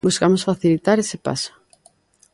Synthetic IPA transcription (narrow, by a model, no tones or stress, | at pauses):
buskamosfaθilit̪aɾesepa̰so̥